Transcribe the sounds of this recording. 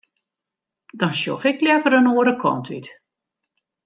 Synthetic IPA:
dɔnsjo̰xɪkljɛvəɾənoəɾəkʰɔ̰ntʰʋḭt

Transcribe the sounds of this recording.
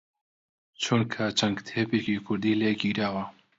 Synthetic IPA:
t͡ʃʰunkʰaːt͡ʃɐŋɡt̪ʰeːpikikʰʊɾd̪iːleːkiːɾaːwa

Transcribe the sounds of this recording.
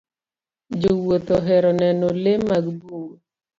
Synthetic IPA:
d͡ʒowot̪oɦɛɾɔnɛnɔlemaɡbu

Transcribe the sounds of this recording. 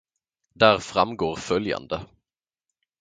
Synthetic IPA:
d̪æːɾfɾamɡoːɾfœlja̰nd̪ə

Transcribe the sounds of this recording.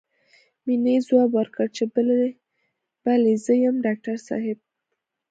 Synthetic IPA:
minezwɑbwəɾkəɽt͡ʃe | b̥alezəjəmɖɑk̚ʈaɾsɑ̰ɦɪb̚

